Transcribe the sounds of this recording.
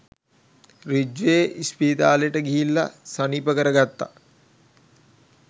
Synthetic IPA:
rid͡ʒʋeʔispiːd̪aːləjəʈəɡiɦilːa̰səniːpəkəɾəɡat̪ːa̰

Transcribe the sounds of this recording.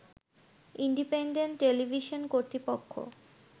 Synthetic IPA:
iɳɖipeɳɖeɳʈʈːelibʱiʃonkoɾt̪ɾipokʰːo̰

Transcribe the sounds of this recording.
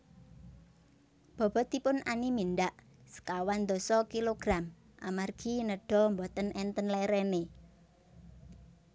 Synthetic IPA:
b̥ɔ̤b̥ɔ̤t̪ipʊnʔaniminɖ̪aʔ | sə̥kawand̪ɔ̤sɔkiloɡ̥ɾam | ʔamarɡ̥i̤nəɖ̥ɔ̤mbɔt̪ənɛnt̪ənlɛɾɛne

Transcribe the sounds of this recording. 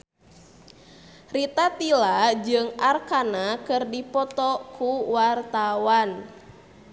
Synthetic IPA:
rit̪at̪ilad͡ʒɨŋarkanakɨrdipɔt̪ɔkʰuwart̪awan

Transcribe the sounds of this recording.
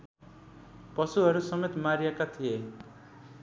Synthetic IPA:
pʌsuɦʌɾusʌmet̪maɾijekat̪ʰije

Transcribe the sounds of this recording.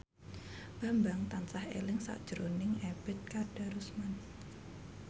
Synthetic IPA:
b̥a̤mbaŋt̪ansahḛlɪŋsa̰ʔd̥ʒ̥əɾonɪŋeb̥ɪt̪̚kad̥a̤ɾusman

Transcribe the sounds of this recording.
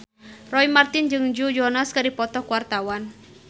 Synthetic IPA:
rɔimart̪ɪnd͡ʒɨŋd͡ʒud͡ʒɔnaskɨdipɔt̪ɔhkuwart̪awan

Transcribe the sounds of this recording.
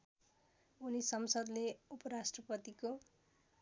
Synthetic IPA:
unisʌmsʌd̪leupʌɾasʈrʌpʌt̪iko

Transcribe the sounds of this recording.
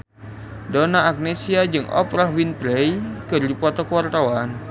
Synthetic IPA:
dɔnaːɡ̚nesiad͡ʒɨŋʔɔ̰pɾahwinpɾɛjkərdipɔt̪ɔkəwart̪awan

